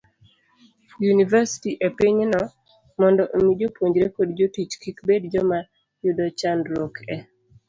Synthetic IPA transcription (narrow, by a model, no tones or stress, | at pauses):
junivɛsi̥tiʔepiɲnɔ | mɔndɔʔomid͡ʒopwoɲd͡ʒɾekodd͡ʒotit͡ʃkikbedd͡ʒɔma | judɔt͡ʃandɾɔkʰɛ